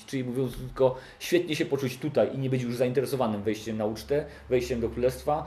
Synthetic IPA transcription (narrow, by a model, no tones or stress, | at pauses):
t͡ʂɘlʲimuvʲjɔnt̪st̪ɘlkɔ | ɕfʲjɛt̪̚ɲɛɕɛpɔt͡ʂut͡ɕt̪ut̪ajʔiɲɛbɘt͡ɕjuʐzaint̪ɛɾɛsɔvanɘmvɛjɕt͡ɕɛmnaut͡ʂt̪ɛ | vɛjɕt͡ɕɛmd̪ɔkɾulɛst̪fa